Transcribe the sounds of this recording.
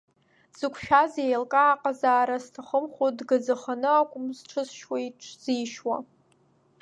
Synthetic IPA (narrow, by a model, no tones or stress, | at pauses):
z̥ɨkʷʰʃᶣazejlkʼaːqʼazaːɾaztʰaχəmχʷodɡad͡zaχanɨakʷʼʊmzʈ͡ʂʰɨzʃwejʈ͡ʂʰʼz̥iːʃwa̰